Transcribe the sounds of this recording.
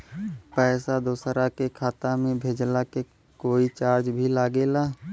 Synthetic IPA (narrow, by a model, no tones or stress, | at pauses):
pɛːsad̪oːsɾakekʰaːt̪amẽbʱeːd͡ʒlake | koːit͡ʃaːɾd͡ʒbʱilaːɡelaː